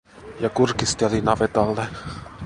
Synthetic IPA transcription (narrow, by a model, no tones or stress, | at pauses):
jɑkurkist̪elinɑʋet̪ɑlːe